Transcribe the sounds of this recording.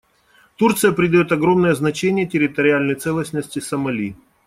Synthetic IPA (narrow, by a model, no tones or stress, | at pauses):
t̪urt̪sɨjəpɾʲɪd̪ɐjot̪ɐɡɾo̞mnəjəznɐt͡ɕenʲɪjətʲɪɾʲɪt̪əɾʲɪalʲnəjt̪sɛlˠəsʲnəsʲtʲɪsəmɐlʲi